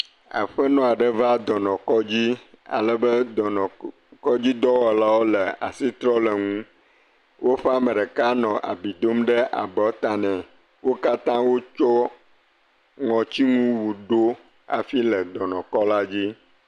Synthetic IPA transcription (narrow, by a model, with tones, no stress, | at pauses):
a̰˨ɸə˦nɔ̃˦a˨ɖə˦va˦d̪ɔ˨nɔ̃˨kɔ˦d͡ʑi˦a̰˨lə˨bə˦˨ | kɔ˦d͡ʑi˦d̪ɔ˦wɔ˨la˦wo˦lə˨a̰˨si˦t̪ɾɔ˦lə˨ŋũ˦ | wo˦ɸɛ˦a˦mə˨ɖə˨ka˦nɔ̃˨ʔa̰˨bi˨d̪o˦mɖə˦ʔa̰˨bɔ˨˦t̪a˨nɛ̃˨ | wo˦ka˦t̪ã˦wo˦t͡ʃɔ˦ | ŋɔ̃˨t͡ɕi˦ŋũ˦wu˨ɖo˦ | a̰˨fi˦lə˨d̪ɔ˨nɔ̃˨kɔ˦la˦d͡ʑi˦